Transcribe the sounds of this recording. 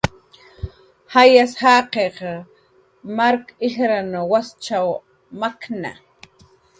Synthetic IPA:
hajashaqeq | maɾkɪxɾanowast͡ʃaw | makna̰

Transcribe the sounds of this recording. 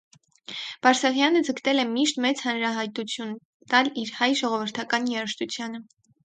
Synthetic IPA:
b̥ɑɾsɑʁjɑnəd͡zəkt̪ɛlɛmiʃt̪mɛt͡shɑnɾɑɦɑjt̪ut͡sʰjun | t̪ɑliɾhɑjʒɔʁɔvəɾt̪ʰɑkɑnjɛɾəʃt̪ut͡sʰjɑnə

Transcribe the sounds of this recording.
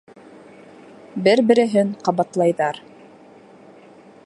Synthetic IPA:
bɘɾbɘ̆ɾɘ̆ɦɘɴqɑβɑt̪lˠɑjðɑɾ

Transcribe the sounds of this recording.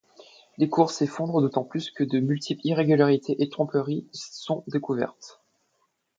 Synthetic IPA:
lekuʁsefɔ̃d̪ʁəd̪ot̪ɑ̃plyskəd̪əmylt̪ʰipliʁeɡʲylaʁit̪ʰeʔet̪χɔ̃pəʁisɔ̃d̪ekuvɛ̰ʁt̪

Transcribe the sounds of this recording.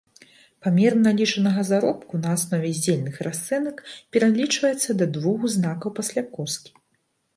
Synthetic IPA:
pamʲɛɾnalʲit͡ʂɐnɐɣɐzaɾɔpkunɐːsnɔvʲɛzʲd͡zʲelʲnɨxrʔast̪sɛnɐkpʲɛɾalʲit͡ʂvɐjɛt̪sːɐd̪ɐd̪vuɣuznakɐwpasʲlʲakɔskʲi̥

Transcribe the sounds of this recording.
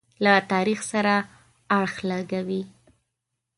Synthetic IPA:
lat̪ɑɾixsaɾa | aɽxlaɡawi

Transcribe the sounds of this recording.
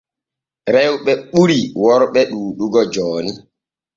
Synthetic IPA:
ɾɛwɓɛɓuɾiwɔɾɓɛɗuːɗuɡɔd͡ʒɔːni

